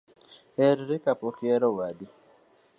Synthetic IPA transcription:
hɛɾɾɪkapɔkɪɛɾɔwadi

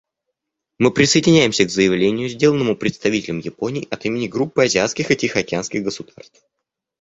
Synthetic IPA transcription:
mɨpɾʲɪsəɪdʲɪnʲæjɪmsʲəɡzəjɪvlʲenʲɪjʊzʲdʲe̞lˠənːəmʊpɾʲɪt̪st̪ɐvʲitʲɪlʲɪmjɪpo̞nʲɪiːʔɐt̪imʲɪnʲɪɡɾupːɨɐzʲɪat̪skʲɪxɨtʲɪxɐkʲɪanskʲɪɣɡəsʊd̪̥arst̪f

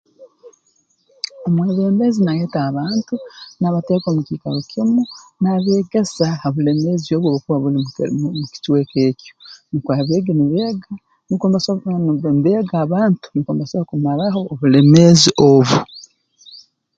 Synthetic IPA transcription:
omweːβeːmbezinajeːtaːβaːntunaβateːkomukikaɾokʰimunaβeːɡesaoβule̞mezio̞βwoːβukuβaβulimuki̥tweke̞ːconikwaːβeːɡeniβeːɡa | nikombasnniβeːɡaːβaːntu̥nikoːmbasoβakumalaho̞ːβule̞meːziʔoβu

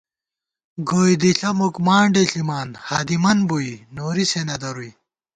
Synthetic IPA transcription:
ɡoːjd̪iɬɐmukmaːɳɖeɬimaːnhaːd̪imɐnboinoːɾisenɐd̪ɐɾuj

